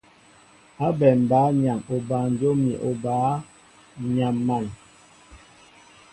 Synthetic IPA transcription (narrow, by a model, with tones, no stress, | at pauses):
a˦bɛ˨m˨ba˨˦ɲa˨mo˨ba˨n̩˨d͡ʒo˦mi˨ʔo˨baː˨˦ | ɲa˨mːa˨n